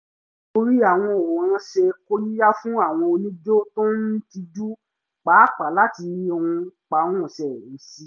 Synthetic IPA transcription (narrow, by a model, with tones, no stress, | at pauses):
to˧ɾi˦a˦˨w̃ɔ̃˧o˨ã˨˦ʃe˧ko˦ji˦ja˦fũ˦a˦˨w̃ɔ̃˧o˧nĩ˦d͡ʒo˦to˦n̩˦ti˧d͡ʒu˦ | k͡pa˨˦k͡pa˨la˨˦ti˧o˧ũ˧k͡pa˨˦wɔ̃˦˨ʃɛ˨ĩ˨˦si˦